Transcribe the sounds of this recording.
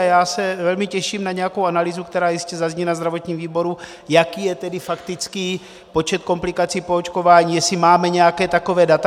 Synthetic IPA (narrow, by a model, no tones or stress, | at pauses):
jaːsɛvɛlmɪcɛʃiːmnaɲɛjako̞wʔanaliːzukt̪ɛɾaːjɪscɛzazɲiːnazd̪ɾavo̞t̪ɲiːmviːbo̞ɾu | jakiːjɛt̪ɛdɪfakt̪ɪt͡ski | po̞t͡ʃɛt̪̚ko̞mplɪkat͡siːpoot͡ʃko̞vaːɲiːjɛsɪmaːmɛɲɛjakɛːt̪ako̞vɛːdat̪a